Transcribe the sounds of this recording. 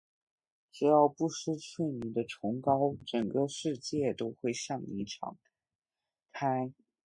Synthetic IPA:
ʈ͡ʂɻ̩˨˥jɑ˥˧ʊpu˥˩ʂɻ̩˥t͡sʰwe˥˩ɪni˨˩d̪ə˦ʈ͡ʂʰʊ˧˥ŋkɑ˥ʊʈ͡ʂə˨˩ŋkə˥˧ʂɻ̩˥˧t͡ɕjɛ˥˩t̪o˥ʊxwe˥˧ɪɕjɑ˥˩ŋnḭ˧˥ʈ͡ʂʰɑ̰˨˩˦ŋ | kʰa˥ɪ

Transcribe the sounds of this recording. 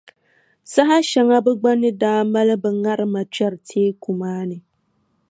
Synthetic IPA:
sa˦ɦa˦ʃa˨ŋa˦bɛ˦ɡ͡ba˦nːɨ˦daː˦ma˦lɨ˦bɛ˨ŋa˦ɾɨ˦ma˨t͡ʃɛ˦ɾɨ˨tʰeː˦ku˨maː˦nɨ˨

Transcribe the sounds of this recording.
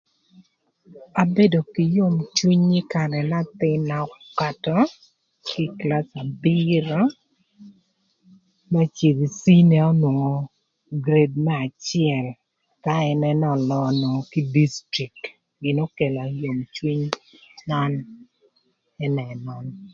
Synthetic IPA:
a˨be˦do˨ki˨jo˦mt͡ʃwi˦ɲi˦ka˨ɾɛ˨na˦t̪ɪ˦na˨kka˦tɔ˦ | ki˦kla˦sa˨bi˦ɾɔ˦ | mɛ˦t͡ʃe˨ði˨si˦nɛ˨ɔ˦nwo˨ŋo˨ | ɡɾe˦d̚mɛ˦a˨t͡ʃɪɛ˨l | ka˦ɛ˦nɛ˦nɔ˨lɔ˦no˨ŋo˨ki˦di˦stɾi˨k̚t | ɡɪ˨no˦ke˨la˨jo˨mt͡ʃwi˦ɲma˦n | ɛ˦nɛ˨mɔ˨n

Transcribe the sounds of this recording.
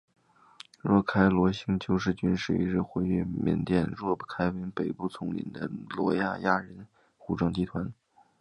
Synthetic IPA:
ɻwɔ˥˩kʰa˥ɪlwɔ˧˥ɕi˥ŋt͡ɕjo˥˧ʊʂɻ̩˥˩t͡ɕy˥nʂɻ̩˥˩ḭ˧˥ɻɻ̩˥˧xwe˥ɪy˥˩mɛ̰˨˩nt̪jɛ˥˧nɻwɔ˥˧pkʰa˥ɪwe˧˥npe˨˩ɪpu˥˩t͡sʰʊ˧˥ŋlḭ˧˩nd̪ə̰˦lwɔ̰˧˥ja̰˥˧ja˥˩ɻə˧˥n | xu˨˧˩ʈ͡ʂɑ˥˩ŋt͡ɕi˧˥t̪ʰwa˧˥n

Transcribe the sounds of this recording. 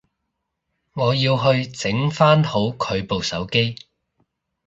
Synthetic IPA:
ŋɔː˨˧jiː˧wɦɵ˧ɥt͡sɪ˨˥ŋfaː˥nho˨˥wkʰɵ˨˧ɥpo˨wsɐ˨˥wke˥j

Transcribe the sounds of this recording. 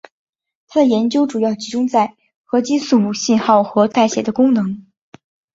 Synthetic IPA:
t̪ʰa˥d̪ə˨jɛ˧˥nt͡ɕjo˥ʊʈ͡ʂu˨˩jɑ˥˩ʊt͡ɕi˧˥ʈ͡ʂʊ˥ŋt͡sa˥˩ɪ | xɤ˧˥t͡ɕi˥su˥˩mu˥˩ɕi˥˧nxɑ˥˩ʊxɤ˧˥t̪a˥˩ɪɕjɛ˨˩d̪ə˦kʊ˥ŋnɤ˧˥ŋ

